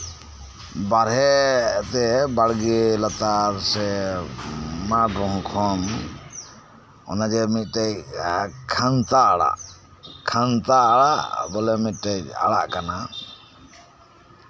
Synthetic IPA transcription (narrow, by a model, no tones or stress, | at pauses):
baɾɦɛt̪ɛbaɽɡilat̪aɾsɛ | maɖɾɔɦɔ̃kʰɔm | ɔ̰nad͡ʒɛmit̪̚ʈɛjkʰant̪aːɽa̰ʔ | kʰant̪aːɽa̰ʔbɔlɛmit̪̚ˀʈɛja̰ɽa̰ʔkana